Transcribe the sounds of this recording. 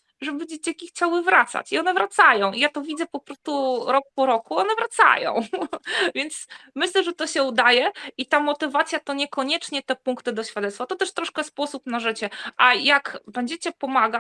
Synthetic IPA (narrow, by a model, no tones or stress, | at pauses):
ʐɛbɘd͡ʑet͡ɕakʲixt͡ɕawɘvɾat̪sa̰t͡ɕiɔnɛvɾat̪sajɔ̃w̃ijat̪ɔvʲid̪zɛpɔpɾɔst̪uɾɔk̚pɔɾɔkuɔnɛvɾat̪sa̰jɔ̰̃w̃vʲjɛnt̪smɘɕlɛʐɛt̪ɔɕɛud̪ajɛit̪amɔt̪ɘvat̪sʲjat̪ɔɲɛkɔɲɛt͡ʂɲɛt̪ɛpuŋkt̪ɘd̪ɔɕfʲjad̪ɛt̪st̪fat̪ɔt̪ɛʂt̪ɾɔʂkɛspɔsupnaʐɘt͡ɕɛʔajakbɛɲd͡ʑet͡ɕɛpɔmaɡa